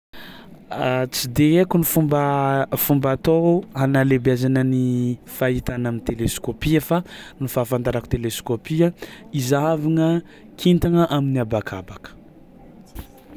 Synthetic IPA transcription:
t͡sid̪eekunifumbəfumbat̪oanalebeazanənifaɦit̪anamint̪eleskopiafanifafand̪aɾaku̥t̪eleskopiaizaviŋə | kʰint̪aŋəʔaminiabakʰa̰bakə̥

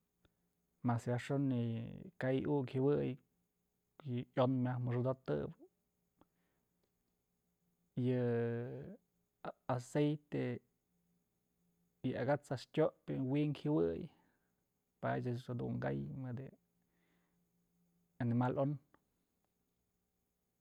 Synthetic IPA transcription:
masjaʂonːikajukhɨwɨj | jɨjonmʲahmɨʂɨd̪ot̪ɨ̰b | jɨ | asejt̪e | jɨaɡat͡sastʲoʔpɨwiʔŋkhɨwɨj | pat͡ʃaad̪ṵŋɡajmɨd̪ɨ | animalʔon

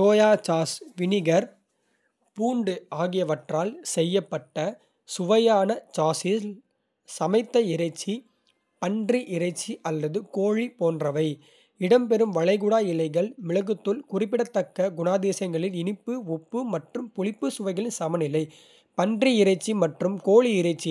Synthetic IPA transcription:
toːjaːt͡ʃaːsʋɪnɪɣɐɾ | puːɳɖɯaːɣɪjɐʋɐʈraːlsɛjːɐpːɐʈːɐ | sʊʋɐjaːnɐt͡ʃaːsɪ | sɐmɐɪt̪ːɐɪɾɐɪt͡ʃːi | pɐndriʔɪɾɐɪt͡ʃːiʔɐlːɐðɯkoːɻipoːndrɐʋɐɪ | ɪɽɐmpɛɾɯmʋɐɻɐɪɣʊɽaːɪlɐɪɣɐɭmɪɻɐɣɯt̪ːɯlkʊrɪpːɪɽɐt̪ːɐkːɐɡʊnaːðeːsɐŋɡɐɭɪnɪnɪpːɯɔpːɯmɐʈrɯmpʊlɪpːɯsʊʋɐɪɣɐɭɪnsɐmɐnɪlɐɪ | pɐndriɪɾɐɪt͡ʃːimɐʈrɯmkoːɻiɪɾɐɪt͡ʃːi

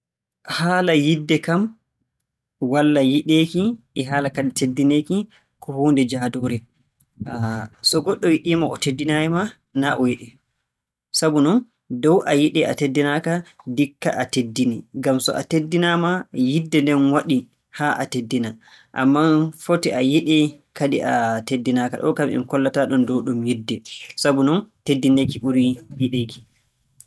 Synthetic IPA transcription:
haːlajidːɛkam | walːajiɗeːkiʔɛɦaːlakaditʰedːineki | kɔhoːndɛd͡ʒaːdɔːɾɛ | sɔɡɔɗːɔjiɗiːmaʔɔtedːinajɛma | naʔɔjiɗɛ | sabunɔn | dɔwʔajiɗɛa̰tedːinaka | dikːa̰ʔatedːiniɡamsɔ̰ʔa̰tedːinamajidːɛndɛnwaɗi | haʔatedːina | ʔa̰mːafotiʔajiɗɛ | kaɗḭʔatedːinaka̰ɗɔ̰kamḭmkɔlːataɗɔndɔwɗumjidːɛsabunɔntedːinekiʔuɾijiɗeki̥

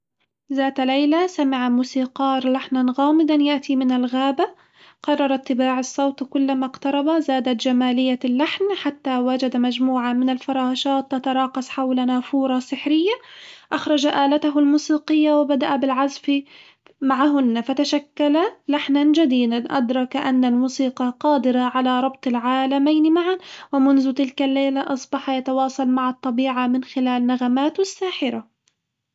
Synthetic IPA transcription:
zaːt̪lajlasamɪʕamuːsiːqɑːɾˤlaħnanɣaːmɪd̪anjaʔt̪imɪnalɣaːba | qɑrˤːɑɾˤat̪ːɪbaːʕɑsˤːɑwt̪kʊlːamaqt̪ɑɾˤɑbazaːd̪at̪d͡ʒamaːlɪjːalːaħnħat̪ːawad͡ʒad̪amad͡ʒmuːʕamɪnalfɑɾˤɑːʃɑːt̪ːɑt̪ɑɾˤɑːqɑsˤħawlanafuːɾˤɑsɪħɾɪjːaʔaxɾˤɑd͡ʒaʔaːlat̪aɦʊlmuːsiːqɨjːawɪbad̪aʔabɪlʕazfi | maʕaɦʊnːafat̪aʃakːalalaħnand͡ʒad̪iːd̪anʔa̰d̪ɾˤɑkʔanːalmuːsiːqɑqɑːd̪ɪɾɑʕalaɾˤɑb̚t̪ˤɪlʕaːlamajnɪmaʕanwɪmʊnðʊt̪ɪlkalːajːlaʔɑsˤbɑħjat̪awɑːsˤɑlmaʕɑt̪ˤːɑbiːʕamɪnxɪlaːlnaɣamaːt̪ɪsːaːħɪɾa

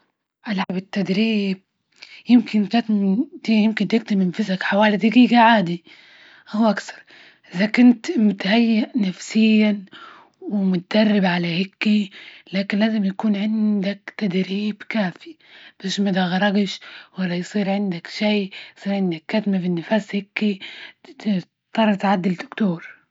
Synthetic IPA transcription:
ʔalʕabɪt̪ːad̪ɾiːb̚ | jɪmkɪnkat̪md̪iːjɪmkɪnt̪ɪk̚t̪ɪmɪnfɪzakħawaːlid̪aɡiːɡaʕaːd̪i | ʔahuʔakθɑ̥ɾˤ | ʔɪzakʊnt̪mʊt̪hajːaʔnafsɪjːa | wɪmʊt̪ad̪ɑrˤːɪbʕalahɪkːilaːkɪnlaːzɪmjakuːnʕɪnd̪akt̪ad̪ɾiːbkaːfi̥ | b̥eːʃmad̪aɣɑɾˤɑɡɪʃwalːajsˤiːɾʕɪnd̪akʃiːjsˤiːɾʕɪnd̪akːaðmafinːɪfaːshɪkːi | t̪ˤːɑrˤːt̪ʕad̪ːɪld̪ʊkt̪uːɾˤ

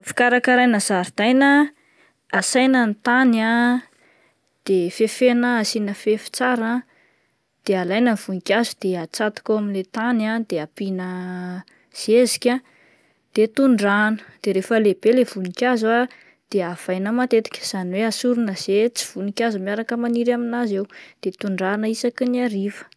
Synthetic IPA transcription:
fi̥kaɾakaɾajnəzaɾd̪ajnə | asajnənt̪ana | d̪̥efefenəasinəfefi̥t͡saɾa | d̪̥ealajnəv̥unikʲazud̪eat͡sat̪i̥koaminlet̪anad̪eapinə | z̥ezi̥kʲa | d̪̥et̪uɳɖ͡ʐanə̥d̪̥eɾefəleb̥elev̥unikʲaza | d̪̥eav̥ajnəmat̪et̪i̥kʲə̥z̥aniweasuɾunəz̥et͡si̥v̥unikʲazumiaɾakəmaniɾaminazewd̪̥et̪uɳɖ͡ʐanəisakiniaɾivə̥

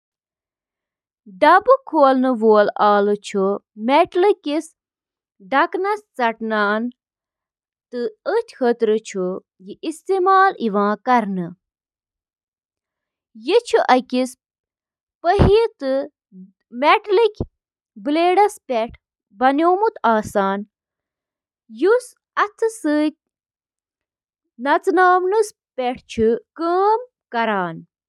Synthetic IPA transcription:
ɖɐbɨkʰoːlnɨʋoːlaːlɨt͡ʃʰumʲɛʈlɨkis | ɖɐknɐst͡sɐʈnaːn | t̪ɨət̪ʲʰxʰət̪ɾɨt͡ʃʰu | jiʔist̪eːmaːliʋãːkɐɾnɨ | jit͡ʃʰuʔɐkis | pəɦit̪ɨ | meʈlikʲ | bɨleːɽɐspʲeʈʰ | bɐnʲjoːmut̪aːsaːn | jus | ɐt̪ʰɨsɨːt̪̚ʲ | nɐt͡snaːmnɨs | pʲeʈʰt͡ʃʰukəːm | kɐɾaːn

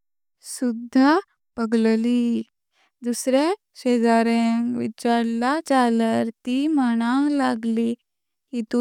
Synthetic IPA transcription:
sud̪ʱːa | pəɡlliː | d̪usɾe | ɕed͡zaɾẽŋʋit͡ɕaɾlat͡saləɾt̪iːməɽ̃alaɡli | hit̪u

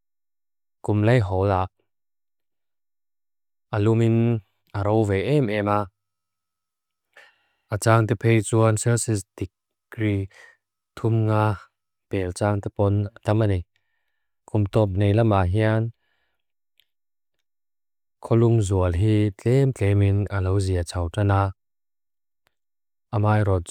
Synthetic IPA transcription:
kumlɐjɦɔlaʔ | ʔalumin | aɾowvɛjʔɛmɛma | ʔat͡saːŋt̪ɛpʰejt͡suansɛsist̪ik̚ː | ɾi | t̪ʰumŋaː | pɛlt͡saːŋt̪ɛpɔnt̪ɐmani | kumt̪ɔp̚nejlɐmaɦian | kʰɔlumzuəlɦit͡ɬɛmt͡ɬɛminɐlowziat͡sʰawtanaː | ʔamaːjɾɔt̪̚

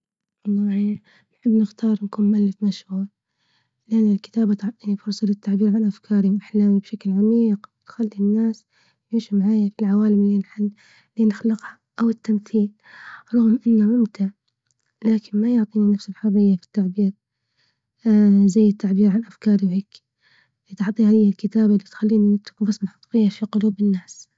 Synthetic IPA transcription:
lːɑiː | nħɪbːnɪxt̪ʰɑːɾˤnkuːnmalːɪfmaʃhuːɾ | lɪʔanːɪlkɪ̥t̪aːbat̪ʕt̪ˤiːnifʊɾˤsˤɑlɪt̪ːaʕbiːɾʕanʔafkʰɑːɾiwʔaħlaːmibʃaklʕamiːqt̪xalːinːaːs | juːʃimaʕaːjafilʕawaːlɪmlːinħɪlː | inɪxlɪqha | ʔawɪt̪ːamθiːl | ɾˤʊɣmʔɪnːaʕʊmt̪aʕ | laːkɪnmajʊʕt̪ˤiːninafsɪlħɑrˤɪjːafi̥t̪ːaʕbiːɾ | zajːɪt̪ːaʕbiːɾʕanʔafkɑːɾˤiwʕekː | lit̪ɑʕt̪ˤihalɪjːalkɪt̪aːbalːit̪xalːiːniɪt̪bɑsnħɑt̪ˤfijːafiqʊluːbɪnːaːs

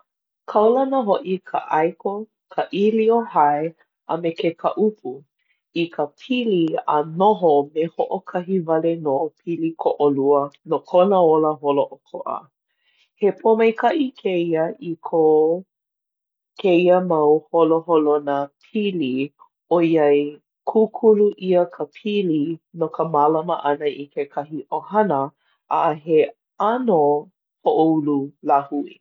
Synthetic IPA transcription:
kʰɐwlɐnəɦoʔikʰa̰ʔɐjko | kʰəʔiliohɐe | ɐ̰mekekʰəʔupʰu | ikʰəpʰiliɐ̰noɦomehoʔokʰɐɦivɐlenopʰilikʰoʔoluənokʰonəoləɦoloʔokʰoʔɐ̰ | hepʰomɐjkɐʔikʰeiəʔikʰo | kʰeiəmɐwholoholonəpʰili | oiɐj | kʰukʰuluʔiəkʰəpʰilinokəmalaməʔɐnəʔikekʰɐɦiʔohɐnə | ʔa̰ʔəɦe | ano | hoʔoululahuḭ

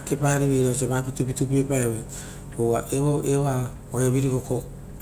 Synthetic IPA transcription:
kepaɾiβiɾos̬eβapitupitupiepaeβe | owaʔeβoʔea | ojoβiɾiɡoko

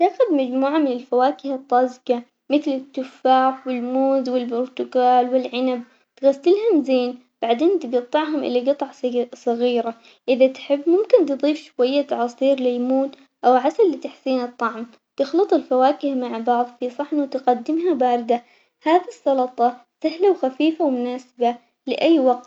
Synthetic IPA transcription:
t̪axʊd̪mad͡ʒmuːʕamɪnɪlfawaːkɪhɨt̪ˤːɑːzɡa | mɪθlɪt̪ːʊfːaːfwɪlmuːzwɪlbʊɾt̪ʊkaːlwɪlʕɪnab | t̪ɣasːɪlɦʊmzeːn | b̥aʕd̪eːnt̪ɪɡɑt̪ˤːɨʕɦʊmʔɪ̰lːiɡɑt̪ˤɑʕsˤɑɣiːɾa | ʔɪðat̪ħɪbːmʊmkɪnt̪ɨðˤiːfʃwajːat̪ɑʕɑsˤiːɾlɪjmuːt̪ | ʔawʕasalːɪt̪aħsiːnɨt̪ˤːɑʕm | t̪ɪxlɨt̪ˤɪlfawaːkɪhmaʕbɑʕðˤfisˤɑħnut̪ɪqad̪ːɪmɦabaːɾɪd̪a | haːðisˤːɑlɑt̪ˤɑsaɦlawxafiːfawmʊnaːsɪba | lɪʔajːwaɡt̪

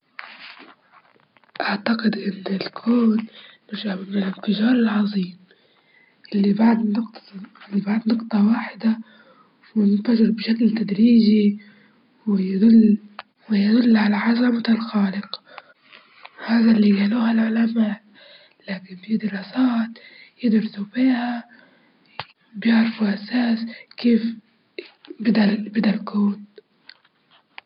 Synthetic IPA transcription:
ʔaʕt̪aqɪd̪ʔɪnːɪlkʰuːnː | ɪʒamɪːɪlɪnfɪʒɑːɾˤɪlʕɑðˤiːm | ʔɪlːibaʕd̪nʊqt̪ɪlːibaʕd̪nʊqt̪ˤɑwaːħɪd̪a | wɪnɪnfaʒɪɾbʃaklt̪ad̪ɾiːʒi | wɪjad̪ʊlː | wɪjad̪ʊlːʕalaʕazamt̪alxaːlɪq | haːðalːiɡaːluːhalʕalamaːl | laːkɪnfid̪ɪɾˤɑːsaːt̪jɪd̪ɾsufiːha | bjɪʕɾfuʔasaːskeːf | bɪd̪albɪd̪alkuːn

